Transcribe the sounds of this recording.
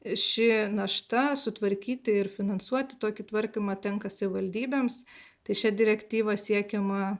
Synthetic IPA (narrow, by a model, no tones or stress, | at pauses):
ʃʲɪnɐʃt̪ɐsʊt̪ʋɐɾʲkʲiːt̪ʲɪɪɾfʲɪnɐnsuɔt̪ʲɪ̥t̪oːkʲɪt̪ʋɐɾʲkʲɪmɐːt̪ʲɛŋkɐsɐʋʲɪʋɐlʲd̪ʲiːbʲeːms | t̪ɐɪʃʲɛd̪ʲɪɾʲɛkt̪ʲiːʋɐsʲiɛkʲɛmɐ